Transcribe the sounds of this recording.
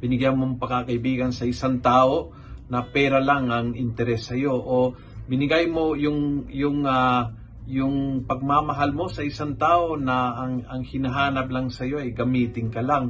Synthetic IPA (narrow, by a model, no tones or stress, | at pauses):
b̥ɪnɪɡjanmoŋpɐŋkakɐʔɪbiːɡɐnsɐʔɪsaŋt̪aːʔo̞ | nɐpɛːɾɐlaŋɐŋɪnt̪ɛɾɛsːɐjo̞ʔo | bɪnɪɡajmo̞jʊŋjʊŋa | jʊŋpɐɡ̚mamɐɦalmo̞sɐʔɪsaŋt̪aːʔo̞nɐːŋɐŋhɪnɐɦaːnɐp̚lɐŋsɐjo̞ʔɐjɡɐmiːt̪ɪŋkɐlaŋ